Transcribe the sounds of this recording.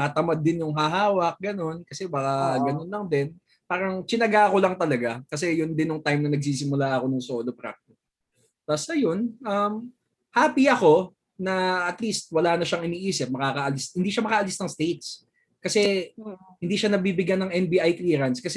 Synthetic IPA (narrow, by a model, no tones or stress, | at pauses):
kɐt̪ɐmad̪ːɪnjʊŋɦaɦaːwɐk̚ɡɐno̞nkɐsɛbɐkaɡɐnonlɐŋd̪ɛn | paːɾɐŋt͡ʃɪnɐɡako̞lɐŋt̪ɐlɐɡakɐs̬ɛjʊnd̪ɪnjʊŋt̪ajmnɐnɐɡ̚siːsɪmʊlaʔɐko̞nʊŋsoːlopɾa̰k̚t̪ɪs | t̪ɐsɐjonʔɐm | haːpiɐko̞ | nɐɐt̪list̪̚wɐlaːnɐʃaŋɪniːʔiːsɪp̚mɐkaːkɐʔɐlishɪnd̪iːʃɐmɐkɐʔɐlisnɐŋst̪ejt̪s | kɐsɛ | hɪnd̪iːʃɐnɐbiːbɪɡjanːɐŋʔɛnbiʔajkliːɾɐnskɐsɛ